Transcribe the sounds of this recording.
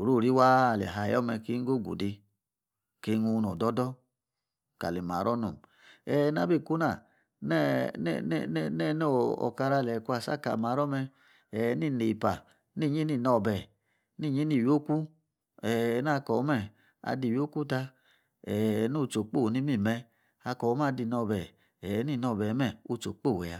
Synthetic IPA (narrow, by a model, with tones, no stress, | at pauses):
o˨ɾu˦˨ɾi˦wa˦˨lɛ̰˨ɦa˧˨jɔ˦mɛ˧ke˦ŋ̩˦ɡo˦˨ɡṵ˨di˧ | ke˨˦nu˧n˨o˨dɔ˦dɔ˦ | ka̰˨le˨ma̰˨˦ɾɔ˦nṵ˨m | ɛː˨˦na˨˧˦be˦˨ku˦na˦˨ | nɛ˦n̰˦n˦nɛ˦˨no˦ɔ̰˨ka˧ɾa˧˨lɛ˨ku˦a˨sa̰˦ka̰˨ma˨˦ɾɔ˦mɛ˧ | ɛ˨˦ni˦˨ne˨pa˨ | ni˦˨ɲi˦ni˦˧˨nɔ˧˨bɛ˨ | ni˦˨ɲi˦ni˦˨jo˦ku˦ | ɛ˨˦n˦a˦˧kɔ˨˦mɛ˦˨ | a̰˧˨di˨wjo˦ku˦ta˧ | ɛ˨nu˦˨t͡ʃo˨k͡po˦˨ni˦mi˦˨mɛ˧ | a˧kɔ˨˦m˦a˦˧di˧˨nɔ˧˨bɛ˨ | ɛ˨˦ni˦˨nɔ˧˨bɛ˨˦mɛ˦˨o˧t͡ʃo̰˨k͡po˦˨wɛ˨a˧˦